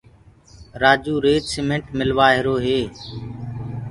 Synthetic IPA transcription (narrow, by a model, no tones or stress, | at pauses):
ɾaːd͡ʒuːɾeːd͡ʒsɪmẽɳʈmɪlʋaːɦɪɾoːɦeː